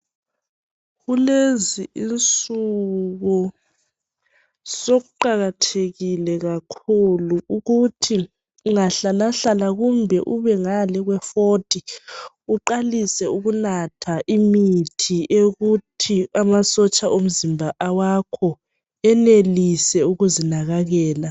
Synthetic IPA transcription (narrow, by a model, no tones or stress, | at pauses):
ɣuleziʔint͡sʼuɣɔ | soɣuǃaɣatʰeɣilɛɣakʰuluuɣutʰi | ŋaɬalaɬalaɣumbʱɛʔuβɛŋalɛɣwɛfotʰʼi | uǃalisɛuɣunatʰaʔimitʰiʔeɣutʰiamasɔt͡ʃʼaʔom̩zimbʱaʔawakʰɔ | ɛnelisɛuɣuzinaɣaɣɛːla